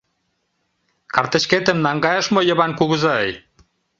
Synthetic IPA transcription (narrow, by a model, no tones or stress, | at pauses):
kɑrt̪ə̆ʃket̪ə̆mnɑŋɡɑjə̆ʃmŏjə̆βɑnkuɣə̆zɑəj